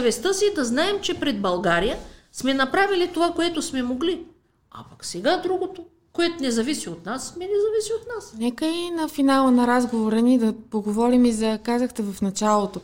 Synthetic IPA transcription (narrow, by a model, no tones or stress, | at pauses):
vɛst̪əsid̪ɐznaɛmt͡ʃɛpɾɛd̪̚bɐlˠɡaɾijə | smɛnɐpɾavilit̪ovakoɛt̪ʊsmɛmoɡli | a̰pɐksɛɡad̪ɾuɡot̪o | koɛt̪onɛzɐvisiot̪nasmɛnɛzɐvisiot̪nasnɛkəinɐfinalˠənɐɾazɡovoɾənid̪ɐpoɡovɔɾimizɐkazəxt̪ɛvɐfnɐt͡ʃalˠot̪o